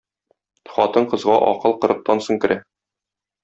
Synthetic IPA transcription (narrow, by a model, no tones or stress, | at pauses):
χɒt̪ɤɴqɤ̆zʁɑʔɒ̰qɤlˠqɤ̆ɾɤ̆q̚t̪ɑnsɤɴkɘ̆ɾæ